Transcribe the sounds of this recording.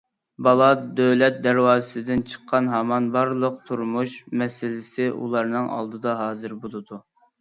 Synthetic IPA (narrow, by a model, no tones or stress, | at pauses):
bɑlˠɑd̪øwlɛt̪̚d̪ɛɾwɑːzɨsɨd̪ɪnt͡ʃʰə̥qʰːɑnɦɑmɑnbɑɾlˠəq̚t̪ʰuɾmuʃmɛsɪlɪsɪʔṵlˠɑɾnɨŋʔɑ̰lˠd̪ɨd̪ɑɦɑːzɨɾbolˠɨd̪u